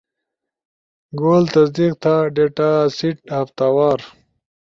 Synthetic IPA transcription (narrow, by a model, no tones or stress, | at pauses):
ɡoːlt̪ɐsd̪iq̚t̪ʰaːɖeːʈasiʈhɐft̪aːwaːɾ